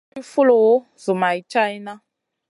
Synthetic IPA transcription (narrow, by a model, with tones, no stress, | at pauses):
i˦fu˦lo˨wo˦ | zu˨ma˨i˨t͡ʃa˦i˦na˦